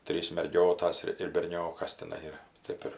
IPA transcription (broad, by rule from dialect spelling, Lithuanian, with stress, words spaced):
ˈtʲrʲiːs mʲɛrʲˈɡʲoːtɐs ɪr ɪr bʲɛrʲˈnʲoːkɐs tʲɪˈnɐɪ ɪr ˈtʲeːp ɪr